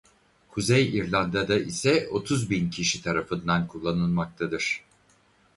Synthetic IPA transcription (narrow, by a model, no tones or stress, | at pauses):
kʰuzɛjiɾlʲˠand̪ad̪aʔisɛo̞t̪ʰuzbincʰiʃit̪ʰaɾafɯnd̪ankʰulˠːanɯlˠmak̚t̪ʰad̪ɯɾ̥